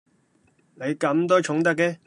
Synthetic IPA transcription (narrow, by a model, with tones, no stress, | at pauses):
ne˨˧jkɐ˨˥mt̪ɔː˥t͡ʃʰʊ˨˥ŋt̪ɐ˥k̬̚ːɛ˧